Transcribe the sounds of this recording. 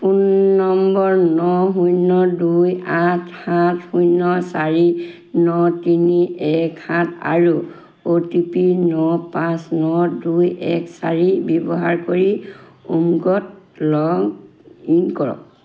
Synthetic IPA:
punːɔmbɔɹnɔɦujnɔdujatʰhathujnɔsaɹi | nɔtiniɛkhãtʰa̰ɹu | otipinɔpãsnɔdujɛksaɹibɔbɔɦaɹkoɹiumɡɔt̚lɔɡinkɔɹɔ̰k

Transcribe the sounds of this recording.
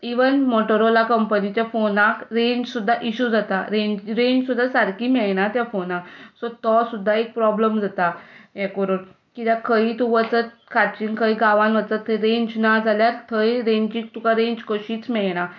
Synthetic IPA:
iʋənmɔʈəɾolakəmpənit͡ɕjafonãkɾeɲd͡ʑsud̪ʱːaʔiɕud͡zat̪aɾẽɲd͡ʑɾeɲd͡ʑsud̪ʱːasaɾkiːmɛɭɳ̃at̪jafonãsɔt̪ɔsud̪ʱːaek̚pɾɔbləmd͡zʱat̪ajɛkəɾon | kit̪jãkʰəit̪uʋət͡sət̪̚ | kʰat͡ɕiŋkʰəjɡaʋãnʋət͡sət̪ʰːeɾẽɲd͡ʑnad͡zʱaljaɾt̪ʰəjɾeɲd͡ʑĩk̚t̪ũkaɾẽɲd͡ʑkəɕiːt͡smɛɭɽ̃a

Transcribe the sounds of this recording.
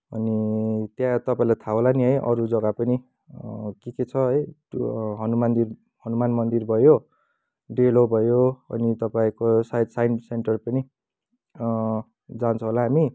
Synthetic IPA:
ʌ̰nit̪jãt̪ʌpaĩlat̪ʰaɦolaniɦʌjʔʌ̰ɾud͡zʌɡapʌni | kiket͡sʰʌɦʌj | ɦʌnumand̪ir | hʌnumanmʌnd̪irbʱʌjo | ɖelobʱʌjoʌ̰nit̪ʌpaĩkosajd̪sajnseɳʈʌrpʌni | d͡zant͡sʰʌɦolaɦami

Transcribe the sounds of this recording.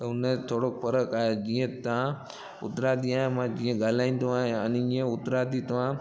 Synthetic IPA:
ʊnẽt̪ʰoːɽofʰɐɾəkaːɦed͡ʒĩːə̃t̪ã | ʊ̰t̪ɾaːd̪iaːɦẽmãd͡ʒĩːə̃ɡaːl̤aːĩːnd̪oaːɦẽənd͡ʒiẽʊt̪ɾaːd̪it̪ɐʋãː

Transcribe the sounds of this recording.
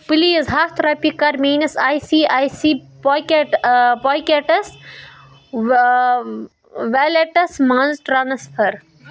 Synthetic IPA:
pɨliːɐzɦaːst̪ɾaːpikːɐɾmiːnɐsaːjsiːʔaːjsiː | poːjkeʈpoːjkeʈɐs | ʋeːleʈɐsmaːnzʈɾaːnɐspʰɐɾ

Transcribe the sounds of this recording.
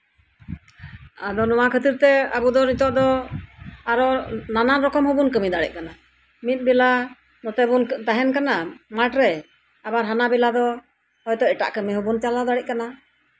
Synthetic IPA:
ad̪ɔnɔwakʰət̪iɾt̪ɛabud̪ɔnit̪ɔʔd̪ɔ | aɾɔnananɾɔkɔmɦubunkəmid̪aɽɛ̰c̚kana | mit̪̚ˀbɛla | nɔt̪ɛbunt̪aɦɛnkanamaʈɾɛ | abaɾɦanabɛlad̪ɔ | hɔjt̪ɔɛʈa̰ʔkəmiɦubunt͡ʃalad̪aɽɛc̚kana

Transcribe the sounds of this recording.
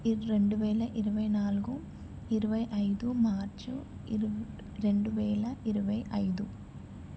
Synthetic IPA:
ɾe̞ɳɖuʋɛːɭɐʔiɾuʋɐjnaːluɡu | iɾuʋɐjʔɐjd̪umaːɾt͡ʃu | ɾe̞ɳɖuʋɛːlɐʔiɾuʋɐjɐjd̪u

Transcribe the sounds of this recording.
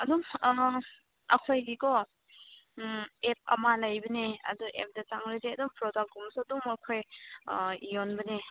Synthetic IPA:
ɐduŋ | ɐ̰kʰojɡikɔ | ep̚ɐ̰malajbɐneɐ̰duʔḛp̚dɐt͡ʃaŋɾizeɐduŋpɾɔdak̚ɡɔmsduŋɐkʰoj | ijonbɐne

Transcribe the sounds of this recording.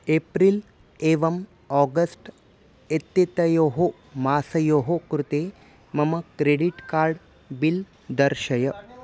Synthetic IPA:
eːpɾil | eːʋɐm | ɔːɡɐsʈ | et̪ːit̪ɐjoːɦo | maːsɐjoːɦokɾut̪eː | mɐmɐkɾeːɖiʈkaːɾɖ | bil | d̪ɐɾʃɐjɐ

